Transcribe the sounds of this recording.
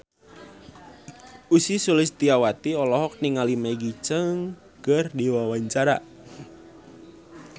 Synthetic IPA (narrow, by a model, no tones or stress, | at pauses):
ʔusisulɪst̪iawat̪iɔlɔɦɔk̚niŋalimajɡit͡ʃəŋ | kərdiwawaɲt͡ʃaɾa